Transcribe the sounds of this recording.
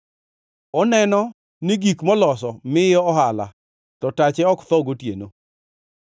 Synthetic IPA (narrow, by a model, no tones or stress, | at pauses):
ɔnɛnɔ | nɪɡikmɔlɔsɔmɪjɔɔhala̰ | t̪ɔtat͡ʃɛɔkt̪ɔɡotjeno